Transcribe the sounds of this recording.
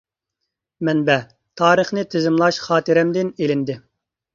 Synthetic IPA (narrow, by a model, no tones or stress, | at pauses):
mɛnbɛ | t̪ʰɑːɾɨχnɨt̪ʰɪzɪmlˠɑʃχɑːt̪ɨɾɛmd̪ɪnelɪnd̪ɪ